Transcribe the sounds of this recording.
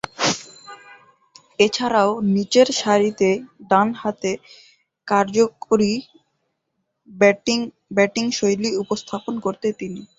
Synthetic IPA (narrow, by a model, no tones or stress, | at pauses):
et͡ɕʰaɾaonit͡ɕeɾʃaɾit̪eɖanhat̪e | kaɾd͡ʑokoɾi | bɛʈiŋʃojliupost̪ʰaponkoɾt̪et̪ini